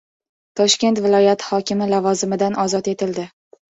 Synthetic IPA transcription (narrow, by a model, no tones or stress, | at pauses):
t̪ʰɒʃkʲe̞nt̪vɪlˠɒjat̪hɒkʲɪmɪlavɒzɪmɪd̪anʔɒzɒt̪e̞t̪ʰɪld̪ɪ